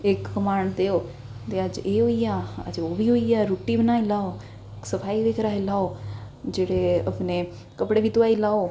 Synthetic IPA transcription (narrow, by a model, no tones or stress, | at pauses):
eːkkəmaːɳd̪eːoː | t̪eəd͡ʒeːɦʊijaːə̰d͡ʒobʱiɦuijaːɾuːʈibənaːilaːo | ksəfʰaːiʋekʰɾaːɦelaːo | d͡ʒeːɽeəpne | kəpɽebit̪ʊʋaːilaːo